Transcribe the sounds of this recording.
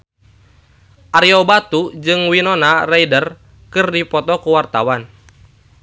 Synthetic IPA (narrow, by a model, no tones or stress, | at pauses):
ʔaɾiɔbat̪ud͡ʒɨŋwinɔnaraidər | kɨrdipɔt̪ɔkuwart̪awan